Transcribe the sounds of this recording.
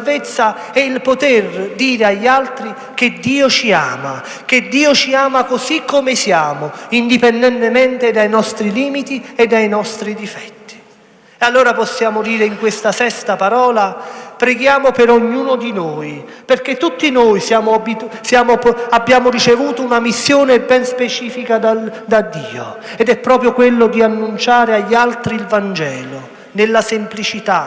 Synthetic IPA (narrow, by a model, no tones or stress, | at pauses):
alvet̪sːa | ɛilpot̪erd̪iːɾeaʎːalt̪ɾi | k̟ed̪ːiːot͡ʃia̰ːma̰ | ked̪ːiːot͡ʃiaːmakosikʰːomɪsjaːmʊind̪ipɛnd̪ɛnt̪emɛnt̪ɪd̪ajnɔst̪ɾiliːmit̪iɛd̪ːajnɔst̪ɾid̪ifɛ̥t̪ːi̥ | ealːoːɾapɔsːjaːmod̪iːɾeiŋkwest̪asɛst̪apaɾɔːlapɾeɡjaːmopeɾoɲːuːnʊd̪inoːj | perk̟et̪ːut̪ːinoːjsjaːmoabisjaːmoabːjaːmʊrit͡ʃevuːt̪ounamisːjoːnebɛnspet͡ʃiːfikad̪ad̪ad̪ːḭːo | ɛd̪ɛpːɾɔːpɾjokwelːʊd̪ianːunt͡ʃaːɾeaʎːalt̪ɾiːlvand͡ʒɛːlo | nelːasemplit͡ʃit̪a